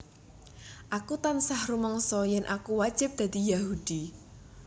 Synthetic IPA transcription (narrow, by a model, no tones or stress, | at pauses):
ʔakut̪ansahrumɔŋsɔjɛnʔakuwḁd͡ʒ̥ɪ̤p̚d̪̥a̤d̪̥ijahud̪̥i